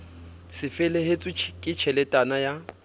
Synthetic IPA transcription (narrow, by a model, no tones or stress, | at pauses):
sɪfɛlehet͡sʼit͡ʃʰkʼɪt͡ʃʰɛlɛtʼanaja